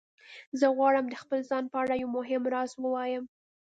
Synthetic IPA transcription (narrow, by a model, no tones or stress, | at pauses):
zəɣwɑɽəmd̪əxpəlzɑnpəaɽajawmoɦɪmɾɑswəwɑjəm